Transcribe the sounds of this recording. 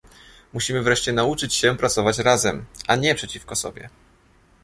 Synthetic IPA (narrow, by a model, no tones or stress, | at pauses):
muɕimɘvɾɛʂt͡ɕɛnaut͡ʂɘt͡ɕɕɛpɾat̪sɔvat͡ɕɾazɛmʔaɲɛpʂɛt͡ɕifkɔsɔ̰bʲjɛ̰